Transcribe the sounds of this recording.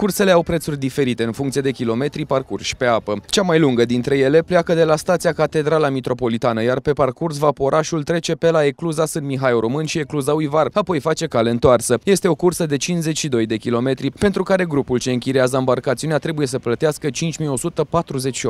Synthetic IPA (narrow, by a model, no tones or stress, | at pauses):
kurse̞le̞awpɾe̞t̪surʲd̪ife̞ɾit̪e̞ɨnfuŋkt̪sijed̪ekʲilo̞me̞t̪ɾiparkurʃpe̞apət͡ʃamajluŋɡəd̪int̪ɾe̞je̞le̞pleakəd̪e̞last̪at̪siakat̪e̞d̪ɾalamit̪ɾo̞po̞lit̪anəjarpe̞parkurs̬vapo̞ɾʔaʃult̪ɾe̞t͡ʃe̞pe̞laekluzasɨnmiɦajoɾo̞mɨnʃie̞kluzaujvarapo̞jfat͡ʃe̞kale̞ɨnt̪oarsəje̞st̪e̞o̞kursəd̪e̞t͡ʃinze̞t͡ʃʲʃid̪o̞jd̪e̞kʲilo̞me̞t̪ɾipe̞nt̪ɾukaɾe̞ɡɾupult͡ʃe̞ɨŋkʲiɾeazəambarkat̪siuneat̪ɾe̞buje̞s̬əplət̪iaskət͡ʃint͡ʃʲmijo̞sut̪əpat̪ɾuze̞t͡ʃʃio